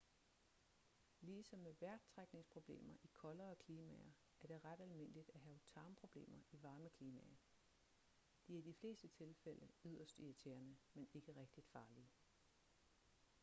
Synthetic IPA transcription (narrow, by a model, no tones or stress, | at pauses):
liːsɒ̽mːeʋæɐɡ̥̚t͡sʰʁaɡ̥ne̝ŋspʰʁo̝b̥le̝̰ːmɐʔikʰɒ̽lɐːkʰliːmɛ̰ɐ | æɐɾ̥e̝ʁad̥ælme̝n̰əlid̥æɦɛːʊt͡sʰɑ̈ːmpʰʁo̝b̥le̝̰ːmɐiʋɑ̈ːməkʰliːmɛ̰ɐ | d̥iæɐd̥ifle̝̰ːsd̥ət͡sʰe̝lfel̰əyð̰ˠɐsd̥iæt͡sʰeːɐnəmene̝ɡ̥əʁeɡ̥̚d̥id̥fɑ̈ːliə